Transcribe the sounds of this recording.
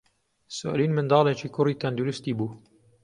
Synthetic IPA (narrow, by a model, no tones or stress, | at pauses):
so̰ʔliːnmɨnd̪ɑːlˠet͡ʃiːkʰʊriːt̪and̪uɾʊst̪iːbuː